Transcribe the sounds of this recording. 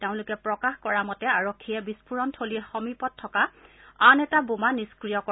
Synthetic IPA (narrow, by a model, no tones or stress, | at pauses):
teʊ̃lʊkɛpɹɔkaxkɔɹamɔtɛaɹokʰːijɛbispuɹɔntʰolixɔmipɔtʰːɔkaanɛtabomaniskɹijɔkɔ